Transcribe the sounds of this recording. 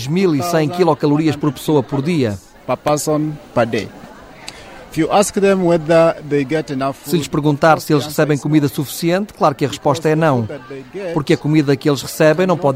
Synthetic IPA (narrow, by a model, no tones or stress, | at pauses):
ʒmilˠisɐ̃j̃kilˠɔkɐlˠuɾiɐʃpɔɾpɨ̥soɐpɔɾðiɐ | papasɔ̃npədeɪ | ɪfjuʔaskðɛ̃mwɛðəðeɪɡɛtɛnafsɨʎɨʃpɨɾɣũnt̪aɾsɨelˠʃʁɨsɛβɐ̃j̃kumiðɐsufi̥siẽnt̪ɨ̥klˠaɾukɨɐʁɨʃpɔʃt̪ɐɛnɐ̃w̃̚eɡɛpuɾkɐkumiðɐkelˠʃʁɨsɛβẽj̃nɐ̃w̃pɔð